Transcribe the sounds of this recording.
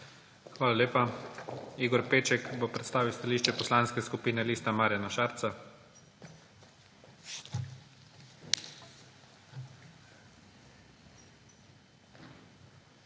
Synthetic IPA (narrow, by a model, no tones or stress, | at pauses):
xʋaːlalʲeːpa | iɡɔɾpeːt͡ʃɛkbopɾɛt̪st̪aːʋiwst̪aliːʃt͡ʃɛpɔslaːnskɛskupiːnɛliːst̪amaːɾjanaʃaːɾt̪sa